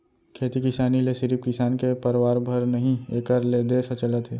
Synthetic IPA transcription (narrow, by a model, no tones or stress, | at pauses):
kʰeːt̪ikɪsaːnilesɪɾipkɪsaːnkepɐɾwaːɾbʱəɾnɐɦĩeːkəɾled̪esɐt͡ʃələt̪ɦeː